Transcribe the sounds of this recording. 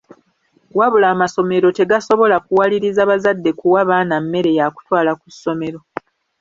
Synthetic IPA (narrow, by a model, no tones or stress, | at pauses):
waβulaːmaso̞me̞ɾo̞te̞ɡaso̞βo̞lakuwaliɾizaβazadːe̞kuwaβaːnamːe̞ɾe̞jaku̥twaːlakusːo̞me̞ɾo̞